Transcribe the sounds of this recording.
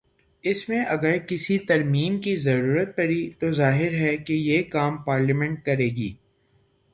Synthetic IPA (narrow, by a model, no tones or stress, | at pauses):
ɪsmẽʔɐɡəɾkɪsit̪ɐɾmiːmkizɐɾuːɾət̪̚pɐɾit̪ozaːɦɪɾɦɛkejeːkaːmpaːɾlimɛ̃ɳʈ̚kɐɾeːɡiː